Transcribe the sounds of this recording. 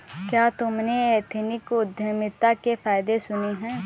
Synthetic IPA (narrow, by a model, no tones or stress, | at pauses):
kjaːt̪ʊmneeːt̪ʰnɪkʊd̪ʱjəmɪt̪ːakefaːjd̪esʊneɦɛ̃ː